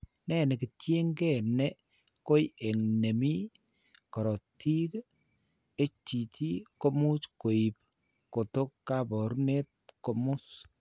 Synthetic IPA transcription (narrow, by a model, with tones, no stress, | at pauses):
nɛ˦nɛ˨ki˨tje˦ŋɡɛ˦nɛ˦ | ko˦je˨ŋne˨mi˦ | kɔ˨ɾɔ˨ti˦k | e˦ti˨ti˦ko˦mu˦sko˨i˨p | ko˨to˦kːa˦bɔ˨ɾne˦t̚ko˨mʊ˦s